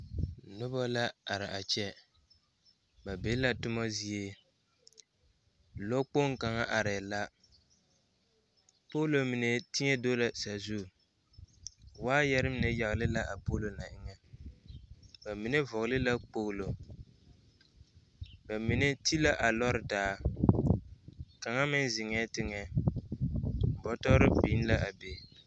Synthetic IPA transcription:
nʊ˦bɔ˦la˦a˨ɾɪ˨ʔa˨t͡ʃɛ˦ | ba˨be˦la˦tʊ˦ma˦zi˦e˦ | lɔ˦k͡po˦ŋ˦ka˨ŋa˦ʔa˨ɾɛ˨la˦ | po˦lo˨mi˨nɛ˨tɪ˦ɲɛ˦do˦la˨sa˨zu˦˨ | waː˦jɛ˦ɾɨ˦m˦nɛ˨ja˨ɣlɪ˦la˦ʔa˨po˦lo˨na˨ʔɪ˨ŋɛ˦ | ba˨mi˨nɛ˦vʊ˨ɣlɪ˦la˦k͡po˦ɣlo˨ | ba˨mi˨nɛ˦ti˦la˦ʔa˨lɔ˦ɾɪ˨daː˨˦ | ka˨ŋa˦mɪ˦n˦zɪ˨ŋɛ˦tɪ˦ŋɛ˨ | bɔ˦tɔ˦ɾɪ˦piː˦n˦la˦ʔa˨be˨

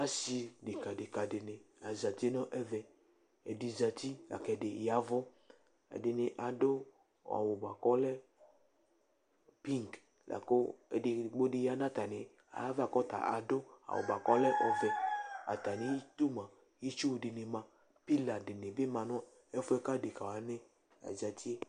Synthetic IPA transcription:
a˦si˧dɪ˨ka˨dɪ˨ka˨dɪ˨nɪ˨a˨za˨ti˦nɔ̃˦ʔɛ˦vɛ˨ | ɛ˨di˨za˨t̪i˦la̰˨kɛ˨dɪ˨ja˨vɔ˦ | ɛ̰˨dɪ˨nɪ˨ʔa˨dʊ˦ | a̰˨wʊ˨ba˨kɔ˦lɛ˦ | pi˦ŋk | lʔa̰˨ko˦ɛ˨dɪ˨ɡ͡bo˦dɪ˧ja˨nã˦˨t̪a˨nɪ˨ | a̰˨˦va˨kɔ˦ta̰˨ʔa˨dʊ˦a̰˨wo̰˨ba˨kɔ˦lɛ˦ʔɔ˨vɛ˨a̰˨t̪a˨nɪ˨˦ji˦t̪u˦mã˨ | ji˦t͡ʃu˦wdɪ˨nɪ˨mã˨ | pi˦la˨dɪ˨ne˨bɪ˦mã˨nɔ˦ | ɛ˦fʊ˦ɛ˦ka˦˨de˨ka˨wa˨nɛ˦ | a̰˨za˨ti˦e˦

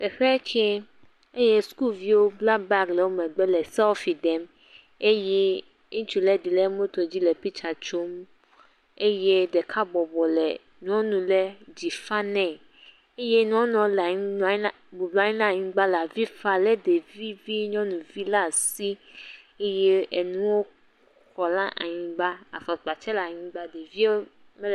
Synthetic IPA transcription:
b̥ɛ˨ɸɛ˦t͡ʃɛ˦ | e˦je˦sku˦lvi˦wo˦bla˦ba˦klɛ˨wo˦mɛ̃˨ɡ͡bɛ˦lɛ˨sa˦fi˨dɛ˨˦m | e˦jɛ˦ | ũ˦t͡ʃu˨lɛ˦di˨lɛ˦mõ˦t̪o˨d͡ʑi˦lɛ˨pi˦t͡ʃa˨t͡ʃo˦m | e˦je˦dɛ˨kʰa˦bɔ˨bɔ˨lɛ̰˨ | ɲ˦ɔ̃˦nũ˨lɛ˦d͡ʑi˨fa˦nɛ̃˨ | e˦je˦ɲ˦ɔ̃˦nɔ̃˨˦lɲ˦n˨˦˨bo˨blu˨˦a˨ɲĩ˦nã˨ɲĩ˦ɡ͡ba˦la˨vi˦fa˨lɛ˦de˨vi˦vi˦ɲɔ̃˦nũ˨vi˦la˦˨si˦ | e˦jɛ˦e˨nũ˦wo˦ | xɔ˨la˦ʔa̰˨ɲĩ˨ɡ͡ba˦a̰˨fɔ˨sk͡pa˨t͡ʃɛ˦la˨ɲĩ˦ɡ͡ba˦de˨vi˦o˦ | mɛ˦˨

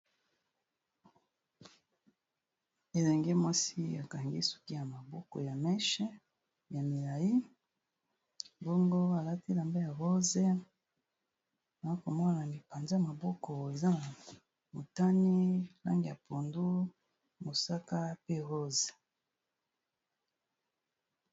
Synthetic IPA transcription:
e˨lɛ˨ŋɡe˦mwa˦si˦a˨ka˨ŋɡi˦su̥˨ki˦ja˨ma˨bo˦ko̰˨ja˨mɛ˦ʃɛ˦ | ja˨mi˨la˨ji˦ | bɔ˦ŋɡo˦a˨la˦ti˦la˨mba˦ja˨ʁo˦ze˦ | a˨a˦ko˨mɔ˦na˨ni˨pa˨nza˦˨ma˨bo˦ko˨e˨za˦na˨ | mo˨ta˦ni˦la̰˦ŋɡi˨ja˨pʰo˨ndu˦ | mo˨sa˦ka˦pe˦ɣo˦ze̥˨

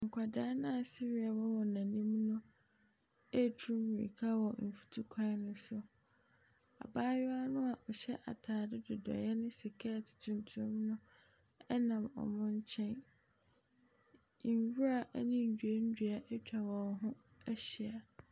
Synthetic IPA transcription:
ŋ̩˨kʷʰa˨daː˦nã˦a˨si˦ɾi˦a˨wɔ˦wɔ˨nã˨nĩ˦m˦nʊ̃˦ | ɛ˦˨tʰɾũ˦mwḭ˨kʰa˦wɔ˨m̩˨fu˨tʰu˦kʷʰã˦nʊ̃˦sʊ˦ | a̰˨baː˦jɔ˦a˦nʊ̃˦a˨ʔɔ˨ɕɛ˦ʔa̰˨tʰaː˨dɪ˦dɪ˨dɔ̰˨jɛ˦nʊ̃˦si˨kʰɛ˦a˨tʰʊ̥˨tʰũ˨ntʰu˨ʊ̃˦mnʊ̃˦ | ɛ˦nã˨mɔ̰˨mʊ̃˦ɲ̩˦t͡ɕʰɛ̃˦n˨ | wu˦ɾa˨ʔnĩ˦˨d͡ʑᶣu˨e˦n̩˦du˨a˨ʔɛ˦t͡ɕᶣa˨wɔ̃˨ɦʊ̃˦ | æ˦ɕi˨a˨

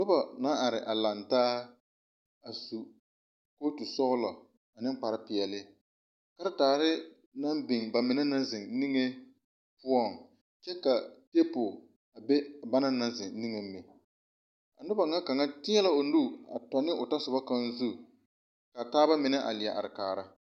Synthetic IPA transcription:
nʊ˦ba˨na˦ʔa˨ɾɪ˨ʔa˨la˨ntaː˦ | a˨su˨ | ko˦tu˨sɔ˦ɣʊ˦lɔ˨ | a˨nɪ˦ŋ˦k͡pa˨ɾɪ˦pɪ˨ɛ˨lɪ˦ | ka˦ɾɪ˦taː˨ɾɪ˦ | na˦mbɪ˨ŋba˨mɪ˨na˦na˦zɪ˨ŋni˦ŋe˦ | pu˦ɔ˦˨ŋ | t͡ʃɛ˦ka˨te˦pʊ˨ | a˨be˦˨ba˦na˦na˦zɪ˨ni˦ŋe˨m˦mːɪ˨ | a̰˨nʊ˦ba˨ŋa˦ka˨ŋa˦tɪ˦ɲɛ˦la˦o˨nu˦a̰˨tɔ˨nɪ˦ʔʊ˨ta˦sʊ˨ba˦ka˦n˦zu˦ | ka˨taː˦ba˦mɪ˨nɪ˦ʔa̰˨lɪ˨a˨ʔa̰˨ɾɪ˨kaː˨ɾa˦

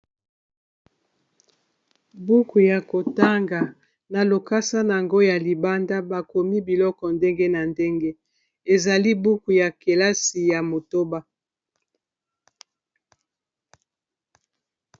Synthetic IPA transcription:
bu˦ku˨ja˨ko˨ta˦ŋɡa˨ | na˨lo˨ka˦sa˦na˨a˨ŋɡo˦ja˨li˨ba˦nda˦ba˨ko˨mi˦bi˨lɔ˦kɔ˨nde˦ŋɡe˦na˨nde˦ŋɡe˦ | e˨za˨li˦bu˦ku˨ja˨ke˨la˦si˨ja˨mo˨to˦ba˦

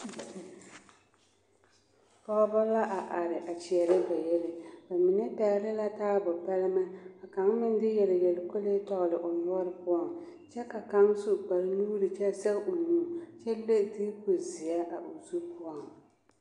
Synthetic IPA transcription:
pɔ˦bɔ˦la˦ʔa˨ʔa˨ɾɪ˨ʔa˨t͡ʃi˨ɛ˨lɪ˦ba˨jɛ˦lɪ˨ba˨mi˨nɛ˦pa˨˦lɪ˦la˦taː˦bɔ˨pa˦lɪ˦ma˦a˨ka˨˦ŋmɪ˦n˦dɪ˦jɛ˨lɪ˨jɛ˨lɪ˨ko˦le˦tɔ˦ɣlɪ˨ʔʊ˨nɔ˦ɾɨ˦pʊ˦a˨ŋ | t͡ʃɛ˦ka˨ka˨˦ŋsu˦ʔk͡pa˨ɾnuː˦ɾɨ˨t͡ʃɛ˦sɛ˦ɣʔo˨nuː˦t͡ʃɛ˦le˦˨ti˦kʊ˨zi˨a˦ʔa˨ʔʊ˨zu˦pʊ˦a˨ŋ

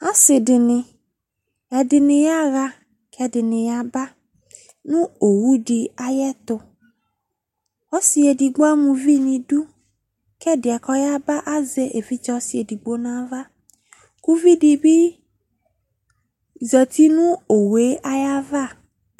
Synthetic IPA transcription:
a˦sɪ˨dɪ˨nɪ̃˨ | ɛ˨dɪ˨nɪ̃˨ja˦ɾa˦ | kʰɛ˦dɪ˨nɪ̃˨ja˨ba˦ | nũ˦o˨wu˦ɖɪ˧a˨jɛ˦t̪ʊ˨ | ɔ˦si˦e˨di˨ɡ͡bo˦a˦mũ˧vi˦nĩ˨du˦ | kɛ˦dɪ˨a˨kɔ˦ja˦ba˦ʔa˦ze˦ʔe˨vi˦t͡ʃɔ˦si˨e˨di˨ɡ͡bo˦nã˦va˦ | ku˦vi˦di˨bi˦ | zɛ˨t̪i˦nũ˦o˨we˨˦ʔa˦ja˦va˦˨

